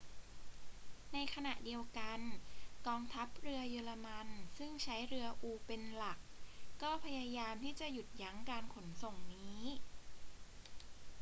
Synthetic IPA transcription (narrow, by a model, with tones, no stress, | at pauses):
na˧jkʰa˧na˨˩ʔdi˧əwka˧nkɔː˧ŋt̪ʰa˦˥p̚ɾɯ˧ɐjɯː˧la˧ma˧nsɯ˥˩ŋt͡ɕʰa˦˥jɾɯ˧ɐʔuː˧pe˧nla˨˩kːɔː˥˩pʰa˧jaː˧jaː˧mt̪ʰiː˥˩t͡ɕa˨˩ʔju˨˩t̪̚ja˦˥ŋkaː˧nkʰo˩˦nso˨˩ŋniː˦˥